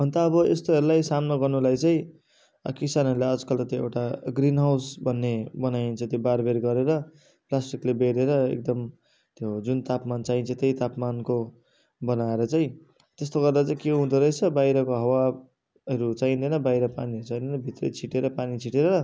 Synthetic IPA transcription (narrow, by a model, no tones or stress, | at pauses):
bʱʌnt̪aːbʌest̪oɦʌɾulajsamnoɡʌrnulajt͡saĩ | kisanʌɾulaʌd͡zkʌlt̪ʌt̪joḛwʈaɡrinɦawsbʱʌnːebʌnajnt͡sʰʌt̪jobaɾbeɾɡʌɾeɾʌ | plasʈiklebeɾeɾʌḛk̚d̪ʌm | t̪jod͡zunt̪apmant͡saint͡sʰʌt̪ejt̪apmanko | bʌnaeɾʌt͡saĩ | t̪est̪oɡʌrd̪at͡saĩkeɦũd̪ʌɾʌjt͡sʰʌbajɾʌkoɦʌwa | ʌɾut͡saĩnd̪ʌjnʌbajɾʌpaniʌɾut͡saĩnd̪enʌbʱit̪rʌ̰t͡sʰiʈeɾʌpanit͡sʰiʈeɾʌʌ